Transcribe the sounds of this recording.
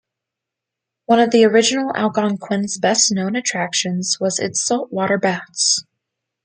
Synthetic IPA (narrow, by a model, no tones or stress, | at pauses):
wʌ̃nʌvðiə˞ɪd͡ʒɨnl̩ˠæ̰lˠɡɑ̃nkʰw̥ɪ̃nzbɛstⁿnõʊ̃nɨtʰɹ̥ækʃɨ̃nz̥wʌzɪ̰tsɔlˠʔwɔɾə˞bæts